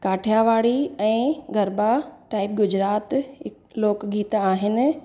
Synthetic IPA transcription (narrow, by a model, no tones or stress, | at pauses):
kaːʈʰjaʋaːɽiɛ̃ːɡʱɐɾbaʈaːɪb̚ɡʊd͡ʑɾaːt̪ɪ | loːkɡiːt̪aːɦɪnɪ̆